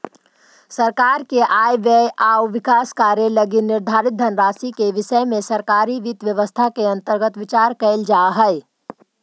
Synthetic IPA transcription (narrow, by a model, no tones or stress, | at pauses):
sɐɾkaːɾkeʔaːjʋeʔaːwʋɪkaːskaːɾjelɐɡinɪɾd̪ʱaːɾɪt̪̚d̪ʱənɾaːsikeʋɪʃəemẽsɐɾkaːɾiʋɪt̪ʋjəʋəst̪ʰakeɐ̃nt̪əɾɡət̪ʋɪt͡ʃaːɾkɐɪld͡ʒaːɦɛɛ